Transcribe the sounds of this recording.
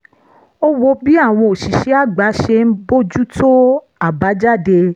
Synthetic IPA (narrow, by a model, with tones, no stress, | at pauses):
o˦wo˧bi˨˦a˦˨w̃ɔ̃˧o˨ʃi˨ʃe˨˦a˦˨ɡ͡ba˨˦ʃe˧n̩˦bo˦d͡ʒu˦tʰo˦ | a˦˨ba˨˦d͡ʒa˦˨de˧